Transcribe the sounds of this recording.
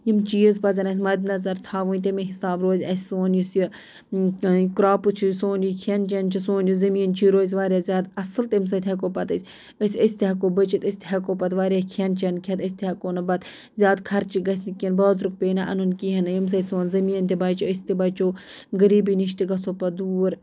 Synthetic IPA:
jimt͡ʃiːəzpɐzɐnɐsʲmɐd̪nɐzɐɾt̪ʰaːʋuːnt̪̬ɐmeɦisaːbɾoːzʲɐsʲsoːnjusji | kɾaːpɨt͡ʃʰisoːnjikʰʲɐnt͡ʃɐnt͡ʃʰisoːnjuzɐmiːnt͡ʃʰiɾoːzʲʋaːɾʲjaːzʲaːd̪ɐsɨlt̪ims̬ɐt̪ʰʲɦʲɐkoːpɐt̪əsʲ | əsʲəsʲt̪iɦɐkoːbət͡ʃit̪əsʲt̪ʰʲɦɐkoːpɐt̪ʋaːɾjaːkʰɐnt͡ʃʰɐnkʰʲɐt̪ɐsʲt̪ʰʲiɦɐkoːnɐbɐt̪ | zʲjaːd̪kʰɐɾt͡ʃiɡɐsʲnikʲinbɐːd̪ɾuk̚peːnaʔɐ̰nunkiɦɐnɐjims̬ɐt̪ʲsoːnzɐmiːnt̪ʰibaːt͡ʃoəsʲt̪ibɐːt͡ʃoː | ɡəɾiːbiːniʃt̪iɡɐsoːpɐd̪uːɾ

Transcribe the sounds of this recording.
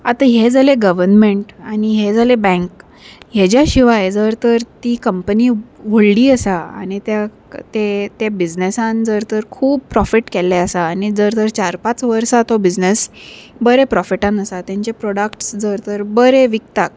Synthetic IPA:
at̪aɦed͡zaleɡəʋəɾnmẽɳʈaniɦed͡zalebɛ̃ŋk | ɦed͡ʑjaɕiʋajed͡zəɾt̪əɾt̪iːkəmpəniːʋoɭliːəsaa̰ñit̪ja | t̪et̪ebid͡znesãnd͡zəɾt̪əɾkʰuːb̚pɾɔfiʈkelːɛəsaːñid͡zəɾt̪əɾt͡ɕaɾpat͡sʋəɾsat̪obid͡znesbəɾepɾɔfiʈãnəsat̪jãɲt͡ɕapɾɔɽakʈsd͡zəɾt̪əɾbəɾeʋik̚t̪ak̚

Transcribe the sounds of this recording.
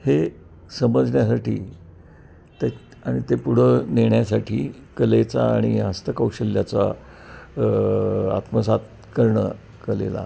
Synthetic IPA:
he | səməd͡zɳjasaʈiː | t̪ | aɽ̃it̪epuɽ̤əneɳjasaʈʰiː | kəlet͡sa̰ːɽ̃iɦast̪əkəwɕəlːjat͡sa̰ | a̰t̪məsat̪̚ | kəɾɳə̰ | kəlḛla̰

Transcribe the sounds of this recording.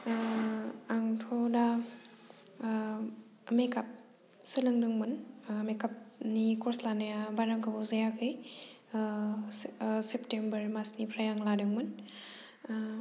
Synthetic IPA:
ŋtʰɔda | mekap̚ | sɯlɯŋdɯŋmɯnmekap̚nikɔɾslanajabaɾaŋkʰabuzajakʰɯj | septembɐɾmasnipʰɾajaŋladɯŋmɯn

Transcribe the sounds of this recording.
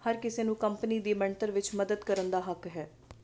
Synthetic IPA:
həɾkɪseːnũːkəmpəniːd̪iːmɛɳʈəɾʋɪt͡ʃməd̪əd̪kəɾənd̪aːɦəkɦɛː

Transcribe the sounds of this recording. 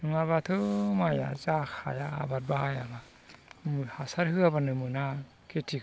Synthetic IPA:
nɯŋaβatʰɯmaja̰zakʰa̰ja̰ːbat̚bahajaba | mhasaɾhɯabanɯmɯna | ketʰi

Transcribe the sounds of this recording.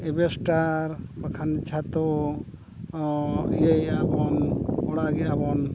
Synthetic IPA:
ebesʈaɾbakʰanit͡ʃʰat̪o | jejabɔnɔɽaɡeabɔn

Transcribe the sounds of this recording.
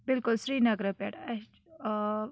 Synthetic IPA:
bɪlkulsɾiːnɐɡɾəpeʈɐ

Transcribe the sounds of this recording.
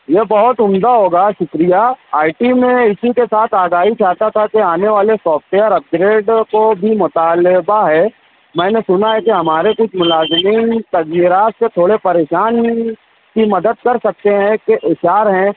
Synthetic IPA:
jebɐɦʊt̪ʊmd̪aɦoːɡaʃʊkɾijaaːɪʈimẽɪsikesaːt̪ʰaːɡaːɦit͡ʃaːt̪at̪ʰakeaːneʋaːlesɔːfʈeəɾɐp̚ɡɾeːɖkobʱimʊt̪aːlɪbaɦɛː | mɛ̃ːnesʊnaɦɛkeɦɐmaːɾekʊt͡ʃʰmʊlaːzmint̪ɐzjiːɾaːt̪set̪ʰoːɽepɐɾeːʃaːn | kimɐd̪əd̪̚kɐɾsɐk̚t̪eɦɛ̃keʔɪʃaːɾɦɛ̃ː

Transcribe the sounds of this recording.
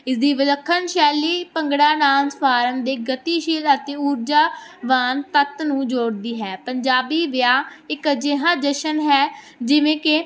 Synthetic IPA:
ɪsd̪iːʋəd̪əkʰːənʃɛːliːpəŋɡɽaːnãːnzpʰaːɾəmd̪eːɡət̪iːʃiːlət̪eːuːɾd͡ʒaːʋaːnt̪ət̪nũːd͡ʒoːɽd̪iːɦɛːpəɲd͡ʒaːbiːʋɪjaːɪkd͡ʒɪɦãːd͡ʒəʃənɦɛː | d͡ʒɪʋẽːkɪ

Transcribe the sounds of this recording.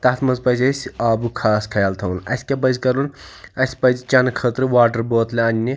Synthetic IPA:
t̪ɐt̪ʰmɐzpɐzʲɐsʲaːbukʰaːskʰɐjalt̪ʰɐnɐ̰sʲkʲebɐzʲkɐɾunɐsʲpɐd͡ʒit͡ʃɐnkʰəːt̪ɾɨʋaːʈəɾboːt̪lʲeɐnʲːi

